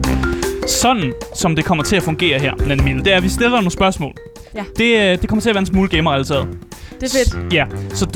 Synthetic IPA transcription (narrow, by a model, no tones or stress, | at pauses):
sɒ̽nn̩sɒ̽md̥e̝kʰɒ̽m̰ɐt͡sʰe̝æfɔ̽ŋɡ̥e̝̰ːɐɦeɐ̰nædimen̩d̥e̝æɐʋisd̥e̝lɐno̝ːn̩sb̥ɶɐsmɔ̰ːl | d̥e̝d̥e̝kʰɒ̽mɐt͡sʰe̝æʋæɐensmuːləɡ̥eːmɐælət͡sʰɛ̰ːð̩̥ˠd̥jæsɒ̽d̥